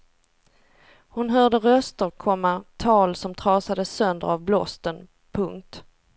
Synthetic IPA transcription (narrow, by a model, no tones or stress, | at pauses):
hʊnɦœːɖəɾœst̪əɾkʰɔmːat̪ʰɑːlsɔmt̪ʰɾɑːsad̪əsœnd̪ə̰ɾavblɔst̪ən | pʰɵŋk̚t̪